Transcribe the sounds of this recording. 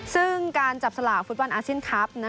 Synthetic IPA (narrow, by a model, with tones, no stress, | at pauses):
sɯ˥˩ŋkaː˧nt͡ɕa˨˩p̚sa˧laː˨˩k̚fu˦˥t̪̚bɔ˧nʔaː˧si˥ə˨nkʰa˦˥p̚na˦˥